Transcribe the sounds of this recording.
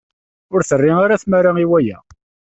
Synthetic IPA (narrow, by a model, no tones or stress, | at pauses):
ʊɾθərːɪŋaɾaθmæɾaiwæjæ̰